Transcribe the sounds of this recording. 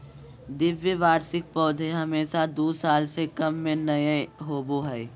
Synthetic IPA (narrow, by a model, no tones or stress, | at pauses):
d̪ɪʋjəʋaːɾsɪk̚pɔːd̪ʱeɦɐmeːʃad̪uːsaːlsekɐmːẽnɐjeɦoːboɦɛː